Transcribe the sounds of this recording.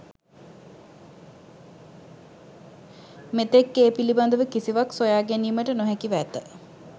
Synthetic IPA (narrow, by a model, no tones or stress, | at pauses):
met̪ekːeːpiliband̪əʋəkisiʋaksojaːɡeniːməʈənoɦɛkiʋæt̪ə